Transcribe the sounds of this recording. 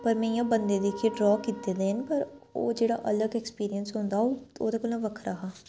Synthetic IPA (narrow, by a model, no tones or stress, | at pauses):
pəɾmẽːjãːbənd̪eːd̪eːkʰiɖɾɔːkiːt̪eːd̪eːɦənpəɾoːd͡ʒeːɽa̰ːʔələɡɛkspiːɾiənsɦʊ̃nd̪aːɦoːd̪eːkolnãːʋəkʰɾaɦaː